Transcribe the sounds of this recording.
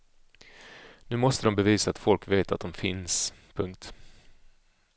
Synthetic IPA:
nʉ̟ːmɔst̪əd̪ɔmbɛviːsaːt̪fɔlkveːt̪at̪̚d̪ɔmfɪnspʰɵŋkt̪

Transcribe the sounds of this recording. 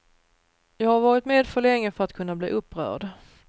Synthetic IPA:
jɑːɡhaɾvɑːɾɪt̪meːd̪fœɭɛŋːəfœɾat̪kʰɵnːabliːʔɵpːɾœ̰ːɖ

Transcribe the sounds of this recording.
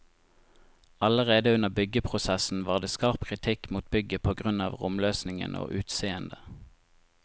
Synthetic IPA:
ɑləʁeːd̪əʉnəʁbʏɡəpʰʁʊsɛsn̩ʋɑːʁd̪eːskɑʁpkʰʁɪt̪ʰɪkmuːt̪̚bʏɡəpʰoːɡʁʉnɑ̰ːʋʁʊmløːsnɪŋə̰no̰ːʔʉːt̪seːənd̪ə

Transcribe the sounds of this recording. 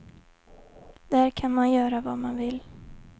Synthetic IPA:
d̪̥æɾkʰanmanjœːɾavamanvɪl

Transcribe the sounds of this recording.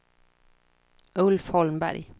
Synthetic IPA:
ʔɵlfhɔlmbæ̰ɾj

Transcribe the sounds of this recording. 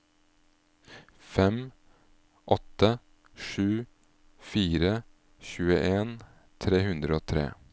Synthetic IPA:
fɛm | ʔɔt̪ə | ʂʉː | fiːɾə | çʉːəʔeːn | t̪ʰɾeːhʉnd̪ɾəoːt̪ʰɾḛː

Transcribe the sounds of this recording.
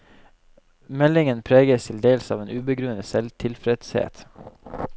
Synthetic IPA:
mɛlɪŋənpʰɾeːɡəst̪ʰɪld̪eːlsɑːʋeːnʔʉːbəɡɾʉːnəsɛlt̪ʰɪlfɾɛd̪shḛːt̪

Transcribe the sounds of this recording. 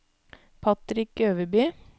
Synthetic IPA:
pʰɑt̪ɾɪkøːʋəbyː

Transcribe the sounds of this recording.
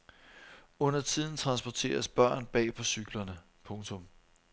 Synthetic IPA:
ɔ̽n̰ɐt͡sʰið̰ˠn̩t͡sʰʁɑ̈nsb̥ɒt͡sʰe̝̰ːɐsb̥ɶɐ̰nb̥ɛ̰ːpʰɒ̽syɡ̥lɐnə | pʰɔ̽ŋt͡sʰɔ̽m

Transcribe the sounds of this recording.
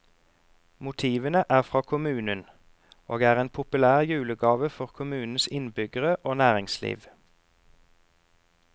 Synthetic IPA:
mʊt̪ʰiːʋənəʔæːʁfʁɑːkʰʊmʉːnən | ʔoːɡæːʁeːnpʰʊpʉlæːʁjʉːləɡɑːʋəfɔʁkʰʊmʉːnn̩sɪnbʏɡəʁəʔoːnæːʁɪŋslḭːʋ

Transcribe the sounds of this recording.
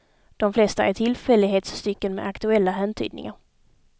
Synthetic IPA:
d̪̥ɔmflɛst̪aʔæʈʰɪlfɛlːɪɡɦeːt̪sːt̪ʏkːənmɛ̰ʔakt̪ɵɛlːaɦænt̪ʰy̰ːd̪̚nɪ̰ŋaɾ

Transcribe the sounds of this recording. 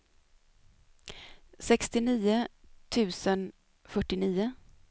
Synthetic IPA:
sɛkst̪ɪniːʊt̪ʰʉ̟ːsən | fœʈːɪniːʊ

